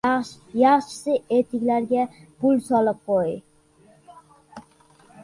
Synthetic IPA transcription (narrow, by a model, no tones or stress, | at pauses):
jɑχt͡ʃɪ̥sɨet̪ʰɪkʲlæɾɡʲɛbulˠsɑlˠɨp̚qoji